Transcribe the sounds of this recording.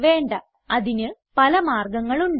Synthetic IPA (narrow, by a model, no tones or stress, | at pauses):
ʋe̞ːɳɖɐ | ɐðinɨ | pɐlɐmaːrɡɐŋːɐɭuɳɖ